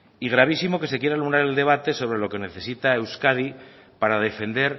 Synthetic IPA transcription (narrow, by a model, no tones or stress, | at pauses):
iɣ̞ɾaβ̞isimo̞ke̞se̞kje̞ɾalumɾaɾe̞ld̪e̞βat̪e̞so̞β̞ɾe̞lo̞ke̞ne̞θe̞sit̪aewskaði | paɾað̞e̞fe̞nd̪e̞ɾ